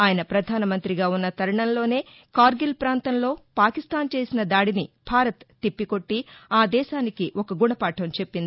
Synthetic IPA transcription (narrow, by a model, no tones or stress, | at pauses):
aːjɐnɐpɾɐd̪ʱaːnɐmɐnt̪ɾiɡaːunːɐt̪ɐɾɐɳɐnlo̞ːne̞ː | kaːɾɡilpɾaːnt̪ɐmlo̞ːpaːkist̪aːnt͡ʃe̞ːsinɐd̪aːɽinib̥ʱaːɾɐt̪ːipːiko̞ʈːiaːd̪ɛːʃaːnikiʔɔkɐɡuɳɐpaːʈʰɐmt͡ʃe̞pːind̪i